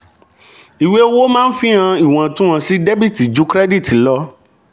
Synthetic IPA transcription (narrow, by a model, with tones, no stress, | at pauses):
i˨we˦wo˦mãː˦n̩˦fĩ˦ã˧i˦˨w̃ã˨tũ˦ã˧si˦de˦bi˦˨ti˨d͡ʒu˦kɾɛ˦di˦˨ti˨lɔ˦